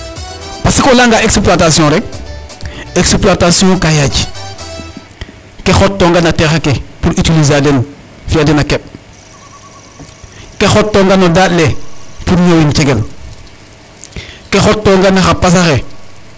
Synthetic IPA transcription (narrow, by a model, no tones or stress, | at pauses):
pasikolaŋɡaekspluatasiõɾe | ekspluatasiõkajad͡ʒ | kexotːoŋɡanatexakepuɾʔitiliz̬aːden | fiadenakep̚ | kexotːoŋɡanodatlepuɾɲowint͡ʃeɡel | kexotːoŋɡanaxapas̬axe